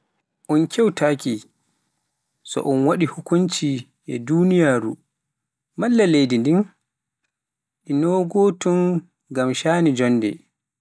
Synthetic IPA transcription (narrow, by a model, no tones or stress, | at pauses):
ʔɔnkʰʲɛwtʰaːki | sɔ̰ʔɔnwaɗihukunt͡ʃi | ʔɛdunijaːɾṵ | malːalejdindin | ʔinɔɡɔːtun | ɡamʃaːnid͡ʒɔnːdɛ̰